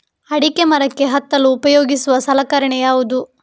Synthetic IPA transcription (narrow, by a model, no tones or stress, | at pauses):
ɐɽikemɐɾɐkːe̞ɦɐt̪ːɐluːpɐjoːɡisuʋɐsɐlɐkɐɾɐɳɛjaːʋud̪u